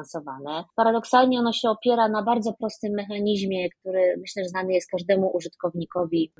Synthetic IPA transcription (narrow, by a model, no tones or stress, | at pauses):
ansɔvanɛpaɾad̪ɔksalɲɛɔnɔɕɛɔpʲjɛɾanabaɾd̪zɔpɾɔst̪ɘmːɛxaɲiʑmʲjɛkt̪uɾɘmɘɕlɛʐɛznanɘjɛst̪̚kaʐd̪ɛmuʔuʐɨt̪kɔvɲikɔvʲi